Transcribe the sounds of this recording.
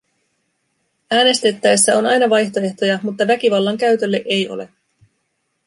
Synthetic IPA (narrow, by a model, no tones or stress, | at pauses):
æːne̞st̪e̞t̪ːæesːæo̞nɑjnɑʋɑjçt̪o̞e̞ht̪o̞jɑmut̪ːɑʋæk̟iʋɑlːɑŋkæɥt̪ølːeʔe̞jo̞̰le̞̰